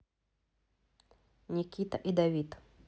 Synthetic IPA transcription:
nʲikʲit̪ɐʔid̪ɐvʲit̪

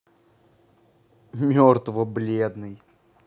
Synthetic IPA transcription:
mʲort̪vəblʲed̪nɨj

